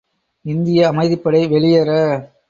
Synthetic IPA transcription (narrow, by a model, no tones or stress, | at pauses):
ɪnd̪ɪjɐːmɐɪðɪpːɐɽɐɪʋɛɭɪjɐɾɐ